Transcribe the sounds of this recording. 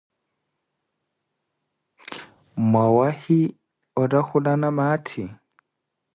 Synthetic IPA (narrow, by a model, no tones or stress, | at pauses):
mawahi | ɔdaxudanamaːtʰi